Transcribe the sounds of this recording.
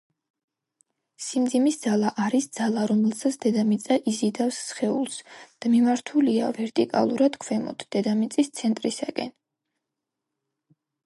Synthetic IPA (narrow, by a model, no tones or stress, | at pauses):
simd̪zimisd̪zalˠaʔaɾisd̪z̥alˠaɾɔmɛlˠsat̪sʰd̪ɛd̪amit̪sʼaʔizid̪afsːχɛulˠsd̪̥amimaɾt̪ʰulia̰vɛɾt̪ʼḭkʼa̰lˠuɾad̪̥kʰwɛmɔ̰d̪̥ʰd̪̥ɛd̪amit̪sʼist̪sʰɛnt̪ʼɾisakʼɛ̰n